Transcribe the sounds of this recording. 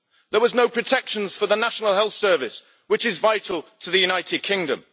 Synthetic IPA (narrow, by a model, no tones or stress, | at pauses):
ðəwɒznoʊpʰɹ̥ətʰɛkʃə̃nz̥fəðənaʃənəlˠhɛlˠθsɜːvɪs | wɪt͡ʃɪzvaɪtʰˡl̩ˠtʰəðɨjʉnaɪtʰɪd̚kʰɪ̃ŋdə̰̃m